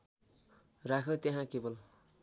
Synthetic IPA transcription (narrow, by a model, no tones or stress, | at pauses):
rakʰot̪jeɦãkebʌl